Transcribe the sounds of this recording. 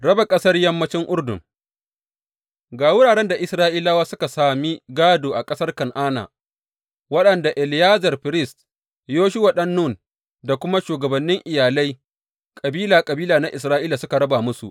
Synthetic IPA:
ɽɐ˦ba˨kʼɐ˦sɐ˦rjɐ˦mːɐ˦t͡ʃɪ˦ŋʔʊ˦rdʊ̰˨ŋ | ɡaː˨wʊ˦ɽaː˨ɽɛ˦nda˨ʔɪ˨sɾaː˦ʔiː˦laː˦waː˦sʊ˦ka˨saː˨mi˦ɡaː˦doː˨ʔa˨kʼɐ˦sɐ˦rkɐ˨ŋʔaː˦na̰ː˨ | wɐ˦ɗɐ˨nda˨ʔɪ˨ljaː˦zɐ˨rɸɪ˨ɾɪ˦˨st | joː˦ʃʊ˦wa˨ɗɐ˦nːu˦˨n | da˨kʷʊ˦ma˦ʃuː˨ɡɐ˨bɐ˨nːɪ˦ŋʔɪ˨jaː˨la˦j | kʼɐ˨biː˦laː˨kʼɐ˨biː˦laː˨na˦ʔɪ˨s̬ɾaː˦ʔiː˦laː˨sʊ˦ka˨ɽɐ˦baː˨mʊ˦sṵ˨ʔ

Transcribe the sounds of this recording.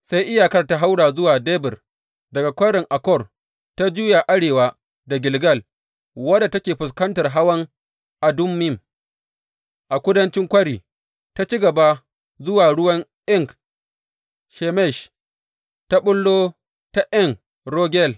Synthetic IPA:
sa˦jʔɪ˦jaː˨kɐ˦rta˦ɦa˦wɽaː˨zʊ˦waː˨deː˦bɪ˨r | dɐ˨ɡa˨kʷɐ˦ɽɪ˨ŋʔa˨kɔ˦˨r | ta˦d͡ʒuː˦ja˨ʔa˦ɽeː˨wa˦ | da˨ɡʲɪ˨lɡɐ˦˨l | wɐ˦da˨tɐ˦kʲeː˨ɸʊ˨s̬kɐ˦ntɐ˨rɦa˦wɐ˦ŋ | ʔa˨dʊ˦mːɪ˦˨m | ʔa˨kʷʊ˦dɐ˦nt͡ʃɪ˦ŋkʷɐ˦ɽiː˨ | ta˦t͡ʃi˦ɡɐ˨ba˦ | zʊ˦waː˨ɽʊ˦wɐ˦ŋʔɪ˦ŋk | ʃɛ˨mɛ˦˨ʃ | ta˦ɓʊ˦lːoː˦ | ta˦ʔɪ˦ŋ | ɾoː˦ɡʲɛ˦˨l

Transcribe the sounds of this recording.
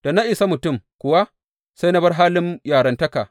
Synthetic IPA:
d̥a˨na˦ʔɪ˨sa˦mʊ˨tʊ˦˨mkʷʊ˨wa˦ | sa˦jnɐ˦bɐ˦rɦaː˦lɪ˦mjaː˨ɽɐ˨ntɐ˦ka˨

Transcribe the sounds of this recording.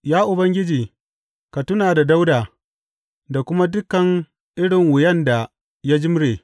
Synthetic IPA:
jaː˦ʔʊ˨bɐ˦ŋɡʲɪ˦d͡ʒiː˨ | ka˨tʊ˦naː˨da˨da˦wdaː˨ | da˨kʷʊ˦ma˦dʊ˦kːɐ˨ŋ | ʔɪ˦ɽɪ˨ŋwʊ˨jɛ˦nda˨ | ja˦d͡ʒɪ˦mɽeː˨

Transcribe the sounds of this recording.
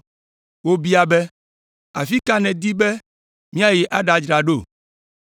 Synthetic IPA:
wo˦bi˦a˨bɛ˦ | a̰˨fi˦ka˦nɛ̃˨d̪i˦be˦ | mĩ˦a˦je˨ʔa˦ɖa˨d͡ʒɾa˨ɖo˦˨

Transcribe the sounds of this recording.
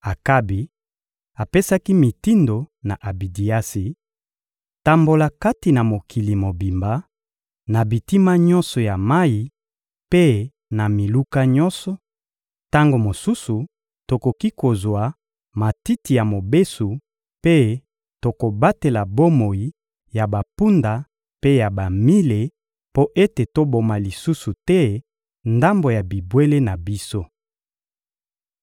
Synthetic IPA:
a˨ka˦bi˨ | a˨pe˦sa˦ki˦mi˨ti˦ndo˨na˨ʔa˨bi˨di˨a˦si˨ | ta˨mbo˨la˨ka˦ti˨na˨mo˨kʰi˨li˨mo˨bi˨mba˦ | na˨bi˨ti˦ma˦ɲɔ̃˦nsɔ˨ja˨ma˦i˨ | pe˦ | na˨mi˨lu˦ka˦ɲɔ̃˦nsɔ˨ | ta˦ŋɡo˨mo˨su˦su˨ | to˨ko˨ki˦ko˨zwa˨ | ma˨ti˦ti˨ja˨mo˨be˦su˨ | pe˦ | to˨ko˨ba˦te˨la˨bo˦mo˨ji˦ | ja˨ba˨pu˦nda˨ | pe˦ja˨ba˨mi˦le˨ | po˦ʔe˦te˨to˦bo˨ma˨li˨su˦su˨tɛ˦ | nda˦mbo˨ja˨bi˨bwe˦le˦na˨bi˦so˦

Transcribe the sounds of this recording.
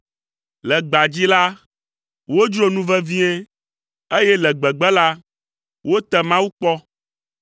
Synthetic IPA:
lɛ˨ɡ͡ba˨d͡ʑi˦la˦ | wo˦d͡ʒɾo˦nũ˦vɛ˦vi˦ɛ˦ | e˦jɛ˦lɛ˨ɡ͡bɛ˨ɡ͡bɛ˦la˦ | wʔo˦t̪ɛ˦mã˦wu˦k͡pɔ˦

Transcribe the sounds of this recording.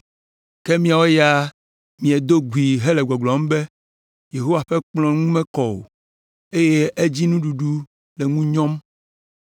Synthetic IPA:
ke˦mĩ˦a˨wo˦ja˦ | mĩ˨ɛ˨d̪o˦ɡwi˨ɦe˦le˨ɡɔ˨ɡlɔ˨˦m˦be˦ | je˨ɦo˦wa˨ɸe˦k͡plɔ̃˦ŋũ˦mɛ̃˦kɔ˨wo̰˨ | e˦je˦ʔe˦d͡ʑi˦nũ˦ɖu˨ɖu˦ | le˨ŋũ˦ɲɔ̃˦m

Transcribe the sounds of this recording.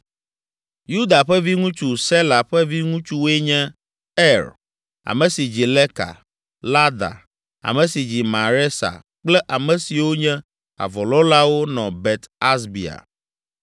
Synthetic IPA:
ju˦d̪a˨ɸɛ˦vi˦ŋũ˦t͡ʃu˦sɛ˦la˨ɸɛ˦vi˦ŋũ˦t͡ʃu˦we˦ɲɛ̃˦ | ɛ˦ɾ | a̰˨mɛ̃˨si˨d͡ʑi˨lɛ˦ka̰˨ | la˦d̪a̰˨ | a̰˨mɛ̃˨si˨d͡ʑi˨mã˨ɾɛ˦sa̰˨ | k͡plɛ˦ʔa˨mɛ̃˨si˨wo˦ɲɛ̃˦ | a̰˨vɔ˨lɔ̃˦la˦wo˦nɔ̃˨bɛ˨t̪a˦sbi˨a̰˨

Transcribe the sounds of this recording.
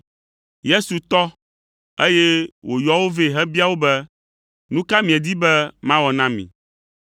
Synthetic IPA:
je˦su˨t̪ɔ˦ | e˦je˦wo˨jɔ˦wo˦ve˦ɦɛ˦bi˦a˦wo˦bɛ˦ | nũ˦ka˦mĩ˨e˨d̪i˦bɛ˦mã˦wɔ˨nã˦mḭ̃˨

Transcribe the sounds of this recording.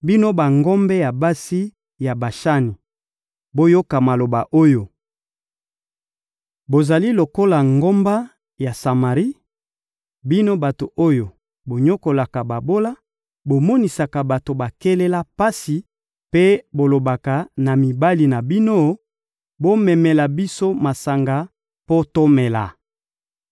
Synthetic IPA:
bi˦no˦ba˨ŋɡo˦mbɛ˦ja˨ba˦si˦ | ja˨ba˨ʃa˦ni˨ | bo˦jo˦ka˨ma˨lo˨ba˨ʔo˦jo˨ | bo˨za˨li˦lo˨ko˦la˨ŋɡo˦mba˦ | ja˨sa˨ma˨ʁi˦ | bi˦no˦ba˨to˨ʔo˦jo˨ | bo˨ɲo˦ko˨la˨ka˨ba˨bo˦la˦ | bo˨mɔ˦ni˨sa˨ka˨ba˨to˨ba˨kɛ˦lɛ˦la˦pa˦si˨ | pe˦bo˨lo˨ba˨ka˨na˨mi˨ba˦li˨na˨bi˦no˦ | bo˦mɛ˨mɛ˨la˨bi˦so˦ma˨sa˨ŋɡa˨ | po˦to˦mɛ˨la̰˨

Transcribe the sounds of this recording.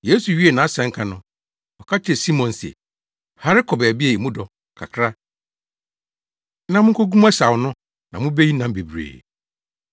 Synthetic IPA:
je˦su˨ɥi˦e˨nã˨a˦sɛ̃˨˦ŋ̩˦kʰa˨nʊ̃˦ | ɔ˨kʰa˦t͡ɕʰɪ˦ɛ˨si˦mɔ̃˨nsɛ̰˨ | ha˨ɾɪ˦kʰɔ˨bbi˦e˨i˨mũ˦dɔ˨ | kʰa̰˨kʰɾa˦ | nã˦mʊ̃˦kʰo˦ɡu˦m˦ɛ˦sa˨wnʊ̃˦ | nã˨mʊ̃˦be˦ji˦nã˨m˦be˨bɾḛː˨

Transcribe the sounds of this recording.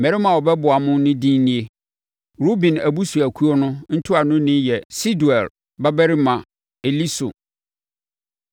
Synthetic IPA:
mɛ˨ɾɪ˦mã˨wɔ˨bɛ˦bʊ˨a˨mʊ̃˦nʊ̃˦dĩ˦n˦nĩ˦e˦ | ɾo˦bĩ˨næ˨bu˦su˨æ˨kʰu˦o˦nʊ̃˦n̩˦tʰʊ˦a˨nʊ̃˦nɪ̃˦jɛ˨si˦du˨ɛ˨l | ba˦bɛ˦ɾi˦mã˨ | e˨li˦so̰˨

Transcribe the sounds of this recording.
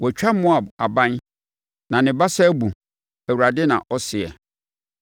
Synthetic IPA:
wɔ˨t͡ɕᶣa˦mʊ̃˦a˨a˨bã˦n | nã˨nɪ̃˨ba˦sɛ˦bu˨ | æ˨wu˨ɾa˨dɪ˦nã̰˨ʔɔ˦sɪ˨ɛ̰˨

